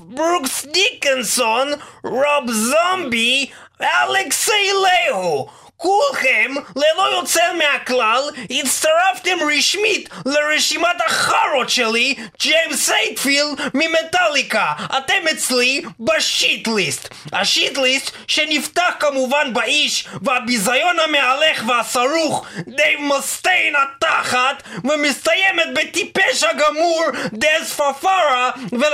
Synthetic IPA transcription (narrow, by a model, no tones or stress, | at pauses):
buksdikensonʁobzambi | ʔaleksejlehu | kulχemlelo̞jot͡selmeaklalitst̪aʁaft̪emʁiʃmitleʁeʃimat̪aχaɾot̪ʃelid͡ʒejmsejtfildmimet̪alikaʔa̰t̪emet͡slibaʃit̪list̪haʃit̪list̪ʃenift̪aχkamuvanbaʔiʃveabizajo̞nhamealeχveasaɾuχd̪ejmast̪ejnat̪aχat̪vemist̪ajemet̪̚bet̪ipeʃhaɡamuɾd̪ezfafaɾave